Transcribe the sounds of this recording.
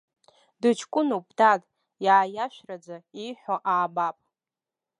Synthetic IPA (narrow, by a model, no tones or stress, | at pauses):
dɨt͡ʃʰkʷʼʊnupʰʼdatʼ | jaːjaʃᶣrad͡zaiħʷᶣoʔaːbapʼ